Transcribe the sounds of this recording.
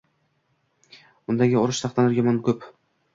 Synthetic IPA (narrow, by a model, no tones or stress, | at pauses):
ʊnd̪aɡʲɪɒɾɪʃsʰɑχt̪anɪɾjɒmɒnkʰɵp